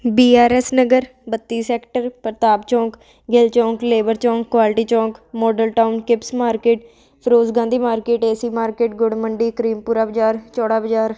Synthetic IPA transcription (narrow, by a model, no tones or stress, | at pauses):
biːaːɾɛːsnəɡəɾ | bət̪ːiːsɛːkʈəɾpəɾt̪aːbt͡ʃɔ̃ːk | ɡɪlt͡ʃɔ̃ːŋkleːbəɾt͡ʃɔ̃ːkːʋaːlʈiːt͡ʃɔ̃ːkmɔːɖəlʈaːʊnkɪpsmaːɾkeːʈ | pʰəɾoːzɡãːnd̪iːmaːɾkeːʈeːsiːmaːɾkeːʈɡʊɽməɳɖiːkəɾiːmpuːɾaːbəd͡ʒaːɾt͡ʃɔːɽaːbəd͡ʒaːɾ